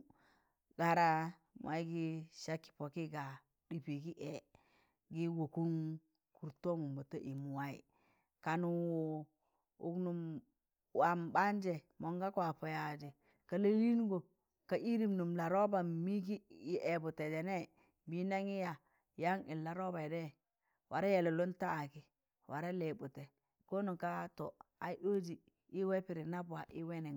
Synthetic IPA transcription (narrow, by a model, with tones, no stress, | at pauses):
ɡa˨ɾa˦ | m̰˨ʔa˦i˦ɡi˦ʃa˦kːi̥˨po˨ki˦ɡa˨ | di˨pi˨ɡi˦ʔe˨ | ɡi˦wo˨ku˦ŋ | ku˨ɾto˦ŋu˨mbo˨ta˦ʔi˨mu˨wa˦ḭ˨ | ka˨nu˨wo˨ | ṵ˨knu˨m | wa˨mba˦n˦d͡ʒe˨ | mo˨ŋɡa˦kwa˨pa˨ja˨d͡ʒe˨ | ka˨le˦li˦n˦ɡo˨ | ka˨ʔi˦ɾi˦mnu˨mla˨ɾo˦ba˨mi˦k̬i˦jʔe˨bu˨te˨d͡ʒe˨ne˦ | bi˦na˦ŋi˦ja˨ | ja˦ŋi˨lːa˨ɾo˦ba˨i˨de˦˨ | wʔa˨ɾe˦je˨lo˨lo˦ntaː˦˨ki˨ | wa˨ɾe˦le˨bu˨te˨ | ko˦nu˨ka˦to˨ | a˨i˦ɗo˦d͡ʒi˨ | i˦we˦pi˨ɾi˨na˦ba˨ʔi˦we˦ne˨